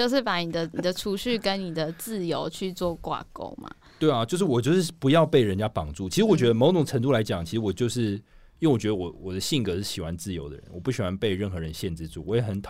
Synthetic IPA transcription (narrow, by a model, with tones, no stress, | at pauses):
t͡ɕjo˥˧ʊʂɻ̩˥˩pa˧˥ni˨˩d̪ə˦ni˨˩d̪ə˦ʈ͡ʂʰu˧˥ɕy˥˩kə˦nni˨˩d̪ə˩t͡sɹ̩˥˩jo˧˥ʊt͡ɕʰy˥˧t͡swɔ˥˧kwa̰˥˩ko̰˥ʊma̰˨˩t̪we˥˩ɪa˨˩t͡ɕjo˥˧ʂɻ̩˥˩wɔ˨˩t͡ɕjo˥˧ʊʂɻ̩˥˩pu˧˥jɑ˥˧ʊpe˥˩ɪɻə˧˦nt͡ɕja˥pɑ˨˩ŋʈ͡ʂu˥˩t͡ɕʰi˧˥ʂɻ̩˧˥wɔ˨˩t͡ɕɥɛ˧˥d̪ə˧mo˧˥ʊʈ͡ʂʊ˨˩ŋʈ͡ʂʰə˧˥ŋt̪u˥˨la˧˥ɪt͡ɕjɑ˨˩ŋt͡ɕʰi˧˥ʂ̩˧˥wɔ˨˩t͡ɕjo˥˧ʊʂɻ̩˥˩jwɔ˨˩t͡ɕɥɛ˧˥ə˧wɔ˨˩˦wɔ˨˩d̪ə˦ɕi˥˩ŋkɤ˧˥ʂɻ̩˥˩ɕi˨˩xwa˧˦nt͡sɹ̩˥˩jo˧˥ʊd̪ə̰˨ɻə̰˦nwɔ˨˩pu˥˩ɕi˨˩xwa˧˦npe˥˧ɪɻə˥˩nxɤ˧˥ɻə˧˦nɕjɛ˥˧nt͡sɻ̩˥˧t͡su˥˩wɔ˧˥jɛ˨˦xə˧˥nt̪ʰ